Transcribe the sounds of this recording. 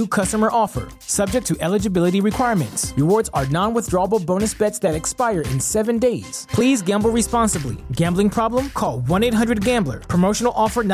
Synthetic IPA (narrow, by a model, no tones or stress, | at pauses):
ukʰʌstəmə˞ʔɔfə̰˞ | sʌb̚d͡ʒɨk̚tʰɨʔɛlˠɨd͡ʒɨbɪlˠəɾiɹɨkʰw̥aɪɹmɨ̰̃ntsɹɨwɔɹdzə˞nɑ̃nwɪθdɹɔəbl̩ˠbõʊnɨsb̥ɛtsðɨɾɨkspaɪə˞ɪ̰̃nsɛvɨ̃ndeɪz̥pʰl̥izɡæ̃mbl̩ˠɹispɑ̃nsəblḭɡæ̃mblɪ̃ŋpʰɹ̥ɑblə̃mkʰɔlˠwʌ̃neɪt̚ɦʌ̃ndɹɨd̚ɡæ̃mblə̰˞pʰɹ̥əmoʊʃn̩l̩ˠɔfə˞n